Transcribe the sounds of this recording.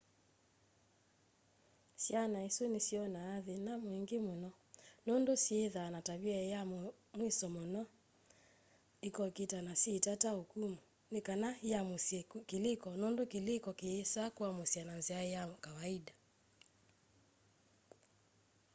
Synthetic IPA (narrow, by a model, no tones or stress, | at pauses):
sjanaesonesjɔnaːðenamoeŋɡemonɔ | nondosjeðanataβiajam | mwesɔmɔnɔ | ekɔketanasetataokumu | nekanajamoskelekɔnondokelekɔkeːsakuamosjananzeaejakawaida